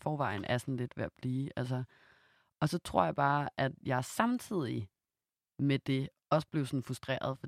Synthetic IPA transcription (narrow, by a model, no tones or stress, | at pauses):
fɒːʋɑ̈ɪn̩ʔæɐsɒnle̝d̥ʋeɐb̥liːʔæls̬ə | ɒ̽sɒ̽t͡sʰʁo̝ɐ̰jɑ̈ɪb̥ɑ̈ːʔæd̥jɑ̈ɪsɑ̈mt͡sʰið̞̰ˠi | med̥e̝ | ɒ̽sə̥b̥leʊsɒ̽nfʁusd̥ʁḛːɐð̞ˠfɒ̥̽